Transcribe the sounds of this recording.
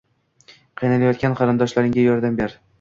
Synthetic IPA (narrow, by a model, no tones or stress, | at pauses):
qʰɨjnalajɒt̪̚kʲanqʰɑɾɪnd̪ɒʃlaɾɪŋɡʲajɒɾd̪ambeɾ